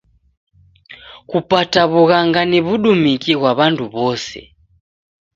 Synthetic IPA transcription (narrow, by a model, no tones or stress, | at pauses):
kupataβuɣaŋɡaniβuɗumikiɣwaβantʰuβɔsɛ̰